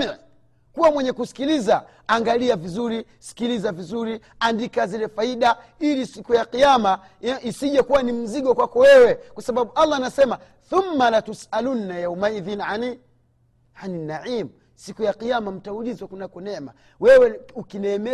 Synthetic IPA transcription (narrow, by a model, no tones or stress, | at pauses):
kuwamwɛɲɛkusi̥kilizaː | ŋɡaliavizuɾi | si̥kilizavizuɾi | andikazilɛfaiɗa | ilisikujaqijama | isiʄakuwanim̩ziɡɔkwakɔwɛwɛkwasaɓaɓualˠːanasɛma | θumːalatusalunːajaumaiðinʕani | aninaʕiːmu | sikujaqijamam̩taulizwakunakɔnɛma̰ | wɛwɛukinɛːmɛ